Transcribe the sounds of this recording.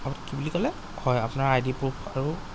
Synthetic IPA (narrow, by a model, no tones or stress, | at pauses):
amutkibulikɔlɛ | hɔjapʊnaɹajdipɹupʰaɹu